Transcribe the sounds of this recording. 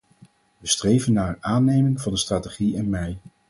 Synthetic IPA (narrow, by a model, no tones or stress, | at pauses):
ʋəstrejvənːaːɹaːnejmɪŋvɑndəstraːteχiɛnmɛj